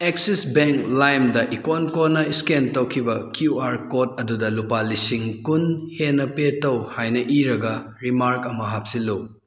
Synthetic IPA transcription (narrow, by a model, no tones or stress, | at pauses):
ek̚sisbeŋklajmdɐʔikonkonɐiskentɐwkʰibɐkjuaɾkot̚ɐdudɐlupalisiŋkunhenɐpetɐwhajnɐʔiɾɐɡɐ | ɾimaɾkɐmɐɦap̚siluw